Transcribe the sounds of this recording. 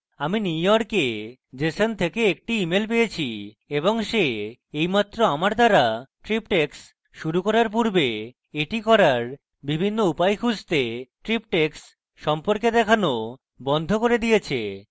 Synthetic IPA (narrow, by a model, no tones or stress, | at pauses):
aminiujɔɾke | d͡ʑesont̪ʰekeek̚ʈiimelpejet͡ɕʰi | eboŋʃeejmat̪ːɾoamaɾd̪aɾaʈɾipʈeks | ʃuɾukɔɾaɾp̬uɾbe | eʈikɔɾaɾ | bibʱinːoupajkʰud͡ʑt̪eʈɾip̚ʈeks | ʃɔmpoɾked̪ɛkʰano | bɔnd̪ʱokoɾed̪ijet͡ɕʰḛ